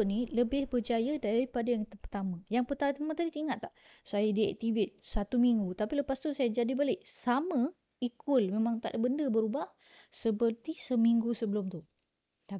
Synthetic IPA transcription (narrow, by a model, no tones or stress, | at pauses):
niləbɪhbərd͡ʒajadaɾipadajaŋt̪pərt̪amãjaŋpərt̪at̪amãt̪adit̪iŋat̪ːaʔ | sajadiɛ̰k̚t̪ivɪt̪̚sat̪umiŋɡut̪apiləpast̪usajad͡ʒadibalɪʔsamə̃ | ikʊlmemãŋt̪a̰ʔbəndəbəɾubah | səpərt̪isəmiŋɡusəbəlʊmt̪u | t̪a